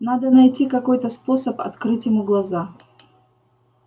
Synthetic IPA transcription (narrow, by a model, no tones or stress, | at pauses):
nad̪ənɐjtʲikɐko̞jt̪əspo̞səpɐ̰t̪kɾɨtʲjɪmuɡlˠɐza